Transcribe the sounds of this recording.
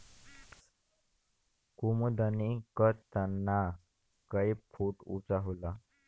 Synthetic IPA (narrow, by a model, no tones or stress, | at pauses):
kumud̪ənikət̪ənːa | kəjpʰuʈṵt͡saɦula